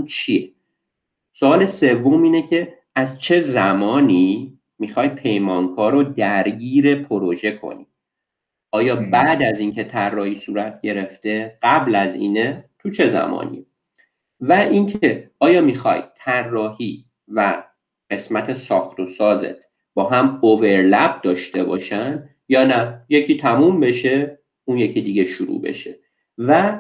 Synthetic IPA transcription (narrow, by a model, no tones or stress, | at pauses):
t͡ʃʰie | soɒːle̞se̞vːo̞miːnecʰe̞ | æzt͡ʃʰe̞zæmɒːniː | mixɒːjpʰe̞jmɒːnkʰɒːɾod̪æɾɟiːɾe̞pʰoɾoʒe̞kʰo̰ni | ʔɒːjɒːbæːd̪æziːncʰe̞t̪ʰærːɒːhiːsuːɾæt̪̚ʰɟe̞ɾe̞ft̪e̞ɢ̥æblæzḭːnet̪ʰut͡ʃʰe̞zæ̰mɒ̰ːnḭ | væʔiŋcʰe̞ɒːjɒːmixɒ̰jt̪ʰærːɒːhiː | væ | ɢe̞smæt̪ʰesɒːxt̪o̞sɒːzḛt̪ | b̥ɒːɦæmove̞ɾlæb̚d̪ɒːʃt̪e̞bɒ̰ːʃænd̪ | jɒːnæje̞cʰiːt̪ʰæmumbe̞ʃe̞ | unje̞cʰiːd̪iːɡe̞ʃuɾṵːbe̞̰ʃe | væ